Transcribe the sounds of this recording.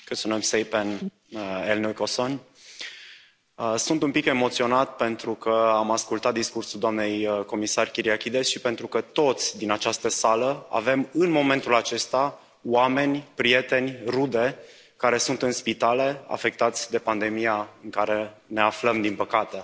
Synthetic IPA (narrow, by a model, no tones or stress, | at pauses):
kɨt̪sunemsejpen | elnokoson | əsunt̪umpike̞mo̞t̪sio̞nat̪pe̞nt̪ɾukəamaskult̪at̪̚d̪iskursuld̪oamne̞jəko̞misarʲkʲiɾiakʲid̪e̞sʃipe̞nt̪ɾukət̪o̞t̪sʲd̪inat͡ʃast̪əsaləa̰ve̞mɨnmo̞mẽ̞nt̪ulat͡ʃe̞st̪a | oame̞nʲpɾije̞t̪e̞nʲrud̪e̞ | kaɾe̞sunt̪ɨnspit̪ale̞a̰fe̞k̚t̪at̪sʲd̪e̞pand̪e̞mijaɨŋkaɾe̞ne̞afləmd̪inpəkat̪e̞